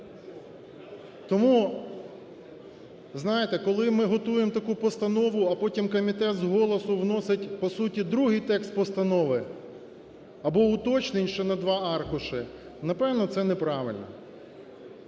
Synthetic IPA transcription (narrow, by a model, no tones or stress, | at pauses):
t̪ɔmu | znɑjet̪ɛkɔlˠɪmɪɦɔt̪ujemt̪ɐkupɔst̪ɐnɔʋʊɐpɔtʲimkɔmʲit̪ɛt̪zɦɔlˠɔsʊwnɔsɪtʲpɔsutʲid̪ɾuɦɪjt̪ɛkst̪̚pɔst̪ɐnɔʋɪ | ɐbɔʊt̪ɔt͡ʃnɪnʲʃt͡ʃɔnɐd̪ʋɑɑrkʊʃɪ | nɐpɛwnɔt̪sɛnɛpɾɑʋɪ̰lʲnɔ̰